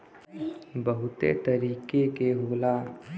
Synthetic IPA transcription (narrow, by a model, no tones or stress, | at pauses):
bəɦʊt̪ḛt̪əɾiːkekeɦoːla